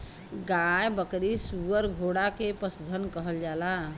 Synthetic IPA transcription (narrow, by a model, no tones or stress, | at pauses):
ɡajbəkɾisuəɾɡʱoɽakepəsud̪ʱənkəɦəld͡ʒala